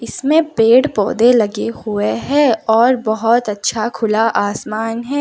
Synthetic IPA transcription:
ɪsmẽpeːɽpɔ̰ːd̪elɐɡehʊeɦɛɔːɾbɐɦɔt̪ɐtːʃʰakʰʊlaʔaːsmaːnɦɛː

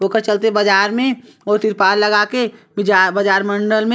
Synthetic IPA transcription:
oːkəɾt͡ʃəlt̪̬eebɐd͡ʒaːɾmẽ | ɔːɾt̪ɪɾpaːllɐɡakebɪd͡ʒabɐd͡ʒaːɾmə̃ɳɖəlmẽ

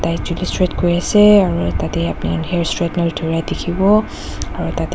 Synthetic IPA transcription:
tajzulistɹɛtkoɹiasɛaɹutatɛapniɔnɦɛɹstɹɛtnɔldʱuɹajdekʰibɔ | aɹutat

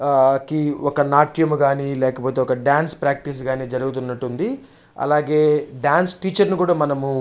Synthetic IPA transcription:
kiɔkɐnaːʈjɐmɡaːnilɛːkɐpo̞ːt̪eɔkɐɖaːnspɾaːk̚ʈis̬ɡaːniːd͡ʒɐɾuɡut̪̬unːɐʈːund̪i | ɐ̰laːɡe̞ːɖaːnsʈiːt͡ʃɐɾnukuːɽaːmɐnɐmu

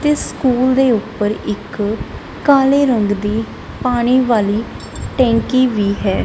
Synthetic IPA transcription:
t̪eːsskuːld̪eːʊpːəɾɪkː | aːleːɾəŋɡd̪iː | paːɽ̃iːʋaːliː | ʈɛ̃ːŋkiːʋiːɦɛː

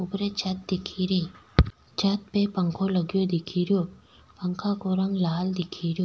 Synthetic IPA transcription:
ʊpɾet͡ʃɐt̪̚d̪ɪkʰiɾe | t͡ʃɐt̪̚pepə̃ŋkʰoləɡjod̪ɪkʰiːɾjoː | pəŋkʰakoɾɐŋɡlaːld̪ɪkʰiːɾjoː

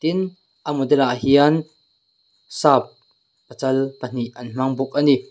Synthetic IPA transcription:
t̪ɪn | ʔamud̪ɛlaʔhiɐn | saːp̚ː | ət͡sɐlpən̥iʔʔɐnm̥ɐŋbʊk̚ani

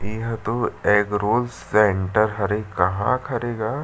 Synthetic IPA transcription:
eɦt̪oeːɡɾoːlseːɳʈəɾɦɐɾekɐɦã̰kʰɐɾeːɡaː

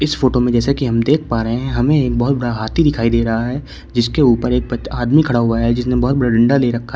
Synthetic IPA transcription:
ɪsfoːʈomẽd͡ʒɛːsekiɦɐmd̪eːkʰpaːɾəɦẽɦɛ̃ɦɐmẽeːk̚bɐɦːt̪̚bɐɽaɦaːt̪ʰid̪ɪkʰaːid̪eːɾɐɦaɦɛː | d͡ʒɪskeuːpəɾeːk̚bɐaːd̪mikʰɐɽaɦʊaɦɛd͡ʒɪsnẽbɔɦːt̪̚bɐɽaɖɪ̃ɳɖaleːɾɐkʰːa

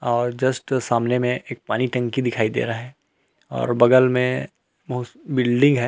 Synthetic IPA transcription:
ɔːɾd͡ʒɐsʈsaːmnemẽeːk̚paːniʈɐ̃ŋkid̪ɪkʰaːid̪ḛːɾaɦɛː | ɔ̰ːɾbɐɡəlmẽ | bɐɦʊbɪlɖɪ̃ŋɡɦɛː

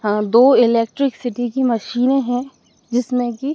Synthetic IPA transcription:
ɦãːd̪oːɪleːk̚ʈɾɪksɪʈikimɐʃiːnẽɦɛ̃ | d͡ʒɪsmẽki

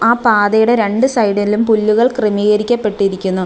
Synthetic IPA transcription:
aːpaːðɐjuɽe̞ɾe̞ɳɖɨsɐjɽɐnilumpulːuɣɐɭkrimiɣɐɾikʲːɐpːe̞ʈːiɾikʲːunːu

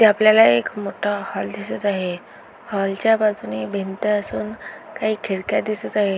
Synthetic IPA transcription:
t̪eapljalaekmoʈʰahɔld̪isət̪aɦe | hɔlt͡ɕjapat͡sunibʱent̪əəsuːnkaɦiːkʰeɽkjad̪isət̪aɦe

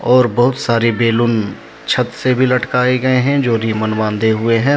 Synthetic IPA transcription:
ɔːɾbɐɦʊt̪saːɾebeːlʊn | t͡ʃʰət̪sebʱilɐʈkaːeɡɐeɦɛ̃d͡ʒoːɾiːmənʋãːnd̪eɦʊeɦɛ̃ː

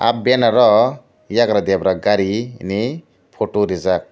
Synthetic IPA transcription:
a̰p̚benaɾɔ | jakɾad̪eabɾaɡaɾini | pʰoʈoɾizak̚

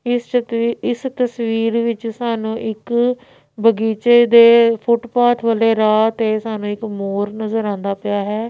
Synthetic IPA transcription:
ɪ | ɪst̪əsʋiːɾʋɪt͡ʃsaːnũːʔɪk | bəɡiːt͡ʃeːd̪eːpʰʊʈpaːt̪ʰʋəːleːɾaːt̪eːsaːnũːɪkmoːɾnəzəɾãːnd̪aːpɪjaːɦɛː

